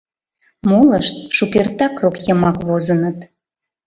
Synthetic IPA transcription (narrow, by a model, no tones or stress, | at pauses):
moləʃt̪̚ʃukert̪ɑkrokjəmɑkβozənət̪